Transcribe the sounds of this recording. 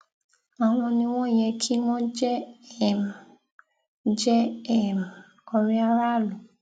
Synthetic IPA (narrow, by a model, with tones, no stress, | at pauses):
a˨w̃ɔ̃˧nĩ˧w̃ɔ̃˦˨j̃ɛ̃˧kʰi˦w̃ɔ̃˦d͡ʒɛ˦˨m˨ | d͡ʒɛ˦ɛ˦˨m˨ | ɔ˨˧ɾi˦a˧ɾa˦˨lu˨